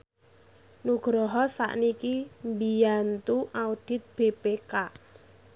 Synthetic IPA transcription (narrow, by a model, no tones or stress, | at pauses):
nuɡ̥ɾɔɦɔsa̰ʔnikimbijant̪uʔauɖ̥ɪ̤t̪̚b̥epeka